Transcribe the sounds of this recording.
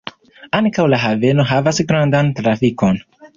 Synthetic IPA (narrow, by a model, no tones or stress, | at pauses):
aŋkawlaɦave̞no̞ɦavasɡɾandantɾafiko̞n